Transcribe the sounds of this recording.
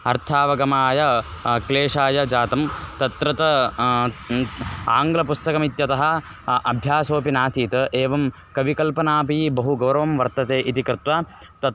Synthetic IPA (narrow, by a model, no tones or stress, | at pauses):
ɐɾt̪ʰaːʋɐɡɐmaːjɐkleːʂaːjɐd͡ʒaːt̪ɐmt̪ɐt̪ɾɐt̪ɐ | aːŋɡlɐpust̪ɐkɐmit̪jɐt̪ɐɦɐ̆ | ʔɐbʱjaːsoːpinaːsiːt̪ɐʔeːʋɐm | kɐʋikɐlpɐnaːpibɐɦuɡɐwɾɐʋɐmʋɐɾt̪ɐt̪eːʔit̪ikɾɪt̪ʋa | t̪ɐ